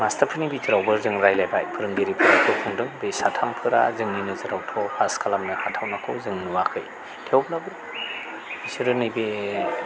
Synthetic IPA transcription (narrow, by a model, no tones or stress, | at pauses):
mastapʰɯnibitʰɯɾawbɯɾzɯŋɾajlajbajpʰɯɾɯŋɡiɾipʰɯɾatʰɔkʰuŋdɯŋbesatʰampʰɯɾa̰zɯŋninɯzɯɾawtʰɔpʰaskʰalamnɯhatʰawnakʰɯzɯŋnuwakʰɯ̰j | tʰewblabɯɾ | isɯɾɯnɯjbe